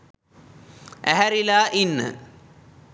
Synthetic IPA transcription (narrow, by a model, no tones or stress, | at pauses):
æɦæɾilaːʔinːə̰